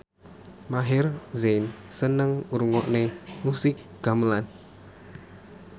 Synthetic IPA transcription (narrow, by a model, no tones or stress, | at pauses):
maɦɪrzensənəŋuɾuŋɔʔnemusɪk̚ɡ̥a̤məlan